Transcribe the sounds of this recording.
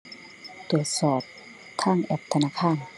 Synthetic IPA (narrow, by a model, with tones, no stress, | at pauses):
t̪u˨˩ət̪̚sɔː˨˩p̚ | t̪ʰaː˥˩ŋʔɛ˧˩p̚t̪ʰa˧naː˧˥˩kʰaː˥˩˨n